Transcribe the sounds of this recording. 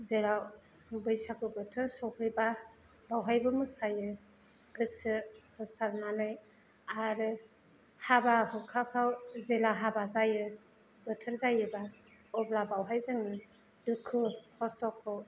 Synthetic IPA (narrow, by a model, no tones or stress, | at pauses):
zela | bɯjsakɯbɯtʰɯɾsɔwhʰɯjba | bawɦajbɯmɯsajɯ | ɡɯsɯhɯsalmanɯj | aɾɯ | habaɦɯkʰapʰawzelaɦabazajɯ | bɯtʰɯɾzajɯba | ɔblabawɦajzɯŋnɯ | dɯkʰɯkʰɔstɔkʰɔ